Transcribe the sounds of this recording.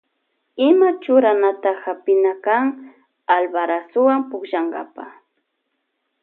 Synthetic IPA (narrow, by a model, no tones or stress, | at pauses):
ɪmat͡ʃʊɾanat̪ahapɪnakaŋ | albaɾasʊwampʊkʒaŋɢa̰pa